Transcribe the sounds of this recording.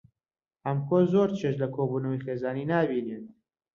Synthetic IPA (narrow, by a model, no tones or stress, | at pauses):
hɐmkozoɾt͡ʃʰeʃlɐkʰoːbuːnɐwijxeːzaːniːnaːbinen